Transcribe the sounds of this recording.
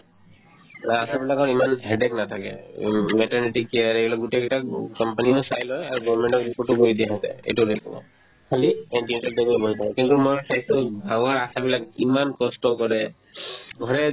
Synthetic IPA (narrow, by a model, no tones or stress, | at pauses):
asabilakɔɹimanɦɛɖɛknat̪ʰakɛ̰mɛʈɔɹniʈikːiaɾebilak̚ɡuʈekɛʈakɔmpaniosajlɔjaɹuɡɔɹmɛɳʈɔkɹipoɹʈukoɹid̪ijaɦat̪ɛ̰ḛtuɾɛkʰɔnɛ̰ | kʰaliɛɳʈinɛʈaldɔɡboɦit̪ʰakɛkint̪umɔjsʰajsubʱaŋaɹasabilakimankɔstɔkɔɹɛ | ɡʱɔɹɛ